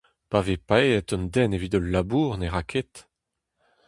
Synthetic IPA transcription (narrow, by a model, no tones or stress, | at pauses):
pavepaeɛt̪ɔnd̪ɛnevid̪ɔlːabuːʁneʁakʰet̪